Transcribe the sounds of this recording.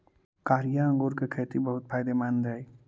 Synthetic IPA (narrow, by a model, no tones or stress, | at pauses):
kaːɾijaə̃ŋɡoːɾkekʰeːt̪ibəɦʊt̪̚pʰaːɪd̪emaːnd̪əe